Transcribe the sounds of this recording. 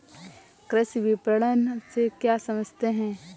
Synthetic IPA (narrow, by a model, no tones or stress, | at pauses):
kɾəsiʋipəɽənsekjasɐməd͡ʒʱt̪eɦɛ̃ː